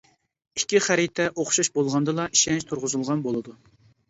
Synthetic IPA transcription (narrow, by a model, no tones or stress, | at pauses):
ikʲʰːiχæɾit̪ʰɛʔoχʃuʃbolˠʁɑnd̪ɨlˠɑʔiʃɛnt͡ʃt̪ʰuɾʁʊzulˠʁɑnbolˠɨd̪u